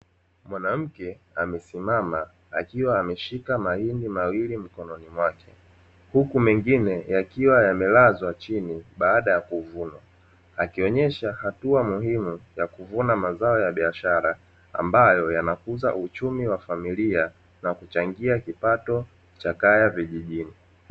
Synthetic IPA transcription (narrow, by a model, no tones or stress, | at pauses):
mwanam̩kɛ | amɛsimama | akiwaːmɛʃikamahindimawilim̩kɔnɔnimwakɛ̥ | hukumɛŋɡinɛjakiwajamɛlazwat͡ʃiniɓaːɗajakuvunwa | akiɔɲɛʃahatuamuɦimujakuvunamazaɔjaɓiaʃaɾa̰ː | mbajɔjanakuza̰ʔut͡ʃumiwafamilia | nakut͡ʃaŋɡiakipatɔ | t͡ʃakajaviʄiʄini